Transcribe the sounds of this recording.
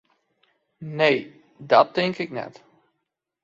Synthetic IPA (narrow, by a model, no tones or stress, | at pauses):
nej | dɔt̚ɪŋkɪknɛ̰t